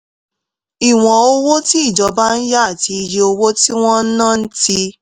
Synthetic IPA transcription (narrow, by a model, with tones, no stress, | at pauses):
i˨w̃ɔ̃˨o˧wo˦ti˦i˦˨d͡ʒɔ˨˧ba˦n̩˦ja˦a˦˨ti˧i˧je˧o˧wo˦ti˦w̃ɔ̃˦n̩˦nã˦˨n̩˦ti˧